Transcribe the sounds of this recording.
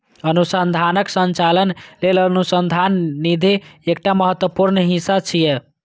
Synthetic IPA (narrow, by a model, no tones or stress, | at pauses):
ənusənd̪ʱanəksənt͡ʃalənlelənusənd̪ʱanːid̪ʱiːk̚ʈaməɦət̪wəpuɾnɦĩsat͡ʃʰije